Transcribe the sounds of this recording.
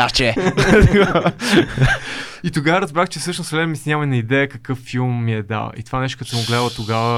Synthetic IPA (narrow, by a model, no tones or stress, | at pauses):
at͡ʃɛt̪oɡa | it̪oɡavəɾɐzbɾaxt͡ʃɛfsɤʃnʊsvlɛmisnʲaməinɐid̪ɛjəkɐkɤfːilˠmːiɛd̪a̰lˠḭt̪ovanɛʃ̬t̪o̥kɐt̪ɔmʊɡlɛd̪dˠət̪oɡavə